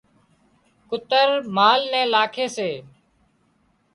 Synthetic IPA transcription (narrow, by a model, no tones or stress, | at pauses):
kʊt̪əɾmaːlnɛ̃ːlaːkʰeːseː